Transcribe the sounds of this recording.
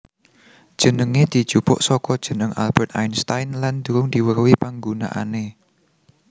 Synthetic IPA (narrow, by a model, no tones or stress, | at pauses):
d̥ʒ̥ə̤nəŋed̪̥i̤d̥ʒ̥upʊ̰ʔsɔkɔd̥ʒ̥ə̤nəŋa̰lb̥ɛrt̪a̰jnst̪ajnland̪̥uɾʊŋd̪̥iwərwipaŋɡuna̰ʔa̰ne